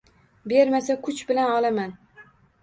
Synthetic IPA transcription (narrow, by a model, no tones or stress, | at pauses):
be̞ɾmasakʰʊt͡ʃbɪlanɒlaman